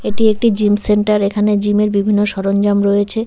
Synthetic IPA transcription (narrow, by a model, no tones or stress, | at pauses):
eʈiek̚ʈid͡ʑimseɳʈaɾekʰaned͡ʑimeɾbibʱinːoʃɔɾond͡ʑamɾɔjet͡ɕʰe